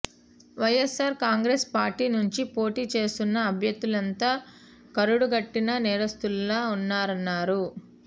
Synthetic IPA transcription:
ʋɐjesaːɾkaːŋɡɾeːspaːɾʈiːnuɲt͡ʃipo̞ːʈiːt͡ʃe̞ːst̪unːɐːbʱjɐd̪ːulɐnt̪aː | kɐɾuɽuɡɐʈːinɐnɛːɾɐst̪ullaːunːaːɾɐnːaːɾu

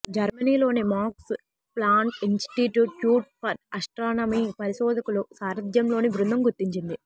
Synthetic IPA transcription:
d͡ʒɐɾmɐniːlo̞ːnimaːks | plaːɳʈinsʈiʈjuʈjuːʈ̚pɐɾɐsʈɾaːnɐmiːpɐɾiʃɔːd̪ɐkulusaːɾɐd̪jɐmlo̞ːnibɾund̪ɐmɡuɾt̪iɲt͡ʃind̪i

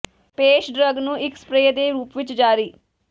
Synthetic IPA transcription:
peːʃɖɾəɡnũːʔɪkspɾeːd̪eːɾuːpʋɪt͡ʃd͡ʒaːɾiː

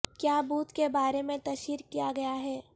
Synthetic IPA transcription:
kjaːbuːt̪kebaːɾemẽt̪ɐʃiːɾkijaɡɐjaɦɛː

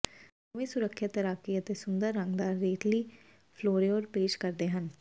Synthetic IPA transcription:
səʋẽːsʊɾəkʰːjat̪əɾaːkiːət̪eːsʊnd̪əɾːəŋɡd̪aːɾeːʈliː | pʰloːɾoːɾpeːʃkəɾd̪eːɦən

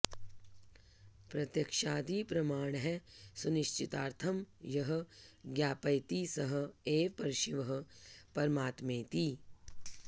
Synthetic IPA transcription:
pɾɐt̪jɐkʃaːd̪iːpɾɐmaːɳ̃ɦɛsʊnɪʃt͡ʃʰɪt̪aːɾt̪ʰɐmjɐɦə̆ɡjaːpɐjt̪iːsɐɦə̆eːpɐɾʃɪʋɐɦə̆pɐɾmaːt̪mẽːt̪iː

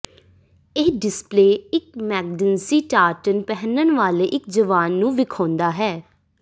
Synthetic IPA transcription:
eːɖɪspleːɪk̚mɛːɡ̚ɖənsiːʈaːʈənpɛɦənənʋaːleːʔɪk̚d͡ʒəʋaːnːũːʋɪkʰɔ̃ːnd̪aːɦɛː

